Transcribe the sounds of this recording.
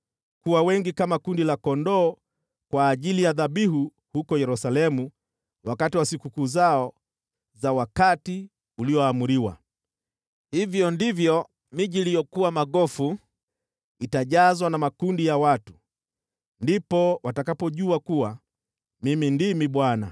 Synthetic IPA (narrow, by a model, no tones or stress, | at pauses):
kuwawɛŋɡikamakundilakɔndɔː | kwaːʄilijaðaɓiɦu | hukɔjɛɾusalɛmu | wakatiwasikukuːzaɔ | zawakati | uliɔamuɾiwa̰ | hivjɔndivjɔ | miʄiːlijɔkuwamaɠɔfu | itaʄazwanamakundijawatu̥ | ndipɔwatakapɔʄuakuwa | mimindimiɓwana̰